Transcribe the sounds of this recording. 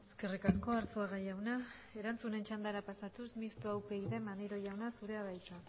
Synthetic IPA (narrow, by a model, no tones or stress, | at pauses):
e̞ske̞rikasko̞aɾsuaɣaʝawna | e̞ɾant͡sune̞nt͡ʃand̪aɾapasat̪usmist̪uawpe̞iðe̞mand̪iɾo̞ʝawnasuɾe̞aβajt̪a